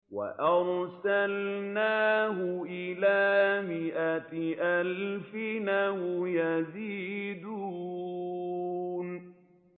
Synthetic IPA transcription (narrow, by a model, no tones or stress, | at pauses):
wa̰ʔɑɾˤsalnaːɦʊʔɪlaːmɪʔatʔalfɪnahʊjaziːd̪uː | n